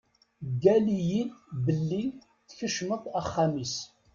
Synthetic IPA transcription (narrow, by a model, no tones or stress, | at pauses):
ɡælijinbəlːi | θçəʃməðˤæχːamis